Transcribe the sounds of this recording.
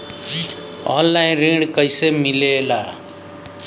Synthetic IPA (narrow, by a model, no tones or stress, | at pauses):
ɔ̰lːajnriɽkʌjsemilela